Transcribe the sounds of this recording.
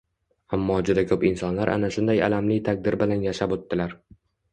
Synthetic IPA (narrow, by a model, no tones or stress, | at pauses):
amːɒd͡ʒʊd̪akʲʰɵpɪnsɒnlaɾʔa̰naʃʊnd̪aja̰lamlɪt̪ʰak̚ʲd̪ɪɾbɪlanjaʃapot̪ːɪlaɾ